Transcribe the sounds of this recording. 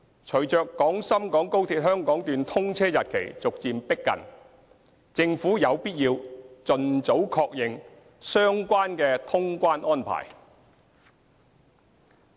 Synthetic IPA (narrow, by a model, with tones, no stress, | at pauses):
t͡ʃʰɵ˨˩ɥt͡ʃœː˨˧kːɔː˨˥ŋsɐ˥mkɔː˨˥ŋko˥wt̪ʰiː˧t̚hœː˥ŋkɔː˨˥ŋt̪yː˨nt̪ʰʊ˥ŋt͡sʰɛː˥jɐ˨t̚kʰḛ˨˩jt͡sʊ˨k̚t͡siː˧mpɪ˥kːɐ̰˨n | t͡sɪ˧ŋfuː˨˥jɐ˨˧wpiː˥t̚jiː˧wt͡sɵ˨nt͡so˨˥wkʰɔː˧k̚jɪ˨ŋ | sœː˥ŋkʷaː˥nkɛː˧t̪ʰʊ˥ŋkʷaː˥nʔɔː˥npʰa̰ː˨˩j